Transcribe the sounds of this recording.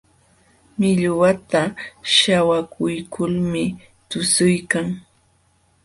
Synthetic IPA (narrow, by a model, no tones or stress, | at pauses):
mɪʎwat̪aʃawakʊjkʰʊlmɪ | t̪ʊsʊjkaŋ